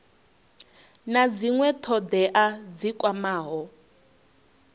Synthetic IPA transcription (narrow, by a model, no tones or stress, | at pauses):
nad͡ziŋwɛtʰɔd̪ɛʔad͡zikʼwamaːɦɔ